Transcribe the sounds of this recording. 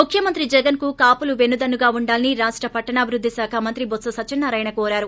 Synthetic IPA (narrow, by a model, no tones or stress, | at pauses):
mukʰjɐmɐnt̪ɾid͡ʒɛɡɐnkukaːpuluʋe̞nːud̪ɐnːuɡaːuɳɖaːlɐniɾaːʂʈɾɐpɐʈːɐɳaːbʱiɾud̪ʱːisaːkʰaːmɐnt̪ɾibot̪sɐsɐt͡ʃinːɐɾɐjnɐkɔːɾaːɾu